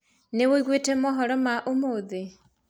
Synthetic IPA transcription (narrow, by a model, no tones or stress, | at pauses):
newoiɣwetemɔɦɔɾɔmaʔomoðe